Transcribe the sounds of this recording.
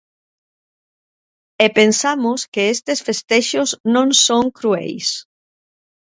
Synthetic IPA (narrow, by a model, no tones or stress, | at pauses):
epensamuskeest̪esfest̪eʃoznõnsoŋkɾuɛ̰js